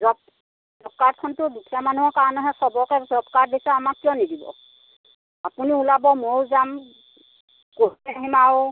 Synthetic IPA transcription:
zɔp̚ | zɔpkaɹtkʰɔntʊdukʰijamanuɦɔkanɔɦɛsɔbɔkɛzɔpkaɹdisaamakːiɔnidibɔ̰ | apuniulabɔmowzam | koɦaɦimaw

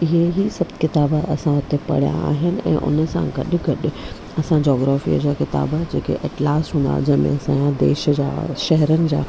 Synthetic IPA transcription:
ɪɦeɦisɐbt̪kɪt̪aːbɐsãɦʊt̪epɐ̰ɽijã̰a̰ːɦɪnɪ̆ɛ̰̃ːʔʊ̰nəsã̰ɡɐɗɪ̆ɡɐɗɪ̆ | ɐsãd͡ʑɔːɡɾaːfḭəd͡ʑaːkɪt̪a̰ːbd͡ʑeːkḛʔɐʈlaːsɦũːnd̪a̰ɦʊd͡ʑɐ̃mḛ̃ɐsãjãd̪eːʃəd͡ʑa̰ːʃɛɦɾənɪ̆d͡ʑa̰ː

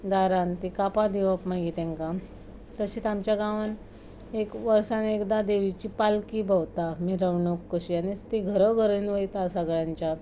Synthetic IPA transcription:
d̪aɾãnt̪ikapad̪iʋəpmaɡit̪ɛ̃ŋka | t̪əɕit̪amt͡ɕjaɡãʋan | ekʋəɾsanekd̪ad̪eʋit͡ɕiːpalkibəʋt̪amiɾəʋɳokːəɕianest̪eɡʱəɾəɡʱəɾənʋəjt̪asaɡɭjãɲt͡ɕjat̪

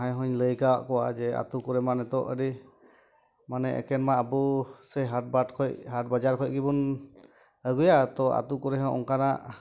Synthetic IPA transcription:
ɦajɦɔɲləjkawa̰ʔkɔwad͡ʒɛa̰t̪ukɔɾɛmanɛt̪ɔʔəɾi | manɛʔɛ̰kɛnmaəbusɛɦaʈ̚bakʰɔcɦaʈ̚bad͡ʒaɾkʰɔc̚ɡibun | əɡujat̪ɔa̰t̪ukɔɾɛɦɔ̃ʔɔ̰ŋkanaʔ

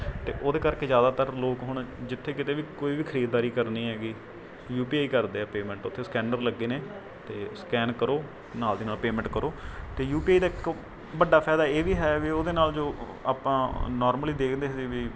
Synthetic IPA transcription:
t̪eːʔoːd̪eːkəɾkeːzjaːd̪aːt̪əɾloːkɦʊɳ̃d͡ʒɪt̪ʰːeːkɪt̪eːʋiːkoːiːʋiːkʰəɾiːd̪̚d̪aːɾiːkəɾniːɦɛːɡiː | juːpiːaːiːkəɾd̪eːɛːpeːmɛ̃ɳʈʊt̪ʰːeːskɛ̃ːɳɖəɾləɡːiːneː | t̪eːskɛːnkəɾoː | naːld̪eːnaːlpeːmɛ̃ɳʈkəɾoːt̪eːjuːpiːaːid̪aːɪk | bəɖaːpʰɛːd̪aːeːʋiːɦɛːʋiːoːd̪eːnaːld͡ʒoː | a̰ːpãːnɔːɾməliːd̪eːkʰnd̪eːɦseːʋiː

